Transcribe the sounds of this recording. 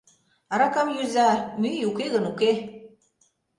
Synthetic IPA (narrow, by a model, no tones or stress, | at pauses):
ɑɾɑkɑmjyzɑmyjukeɣənuke